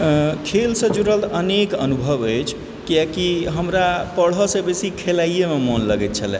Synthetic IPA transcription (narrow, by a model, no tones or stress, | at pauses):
kʰelsə̃d͡ʒuɾəlt̪ənekənubʱəbəjt͡ʃʰ | kijakiɦəmɾapəɽ̤ɦɔsẽbesikʰelaijememonləɡɛt̪̚t͡ʃʰəlɛ̰